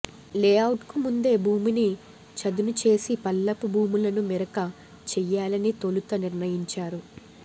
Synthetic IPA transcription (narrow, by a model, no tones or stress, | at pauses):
lɛːɐwʈkumund̪e̞ːbʱuːmini | t͡ʃɐd̪unut͡ʃe̞ːsipɐlːɐpubʱuːmulɐnumiɾɐkɐ | t͡ʃɛjːaːlɐnit̪olut̪ɐniɾnɐjiɲt͡ʃaːɾu